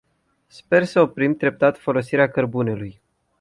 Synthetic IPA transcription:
spe̞rsəo̞pɾimd̪ɾe̞p̚t̪at̪fo̞lo̞siɾeakərbune̞luj

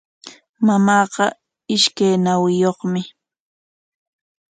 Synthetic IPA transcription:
mamɑːqɑ | ɪʃkajnawɪjoχmɪ

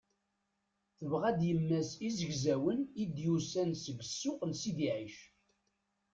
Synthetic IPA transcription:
θəvʁæd̪jəmːæsizəʝzæwənid̪jusænsəɡəsːʊqənsid̪iʕiʃ

